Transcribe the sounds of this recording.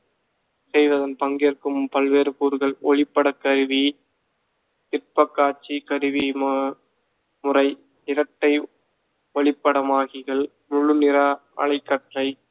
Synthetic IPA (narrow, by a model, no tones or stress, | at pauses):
sɛjʋɐðɐnpɐŋɡjrkɯmpɐlʋeːɾɯkuːɾɣɐɭɔɭɪpːɐɽɐkːɐɾɯʋi | t̪ɪrpɐkːaːt͡ʃːikɐɾɯʋim | mʊrɐɪ | ɪɾɐʈːɐɪ | ɔɭɪpːɐɽɐmaːɣɪɣɐɭ | mʊɻɯnɪɾɐ | ɐ̰ɭɐɪkːɐʈrɐɪ